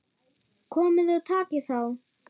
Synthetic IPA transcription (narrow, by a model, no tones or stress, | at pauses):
kʰɔːmɪðat̪ʰaːcɪθaw